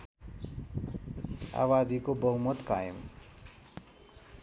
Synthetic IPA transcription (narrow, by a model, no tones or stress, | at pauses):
a̰wad̪ikobʌɦumʌt̪kajə̰m